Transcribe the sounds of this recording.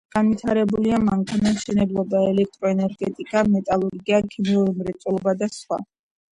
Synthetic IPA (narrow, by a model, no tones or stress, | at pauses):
ɡ̥anvit̪ʰaɾɛbuliamaŋkʰanamʃɛnɛblˠɔbaɛlɛk̚ʰt̪ʼɾɔɛnɛɾɡɛt̪ʼikʼamɛt̪ʼalˠɔɾɡiakʰimiuɾmɾɛt̪sʼulˠɔbad̪asχwa̰